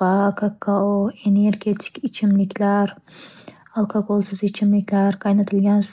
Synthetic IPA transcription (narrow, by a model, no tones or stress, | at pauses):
akʰakʰːaoeneɾɡʲet̪ʰɪ̥kʲɪt͡ʃʰɪmlɪkʲʰlaɾ | alˠkʰoɡolˠsɨzɪt͡ʃʰɪmlɪkʲʰlaɾqʰɑjnɑt̪ʰɪlɡʲans